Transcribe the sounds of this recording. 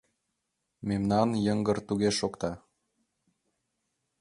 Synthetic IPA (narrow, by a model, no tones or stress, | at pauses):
memnɑnjəŋɡɤ̆rt̪uɣeʃokt̪ɑ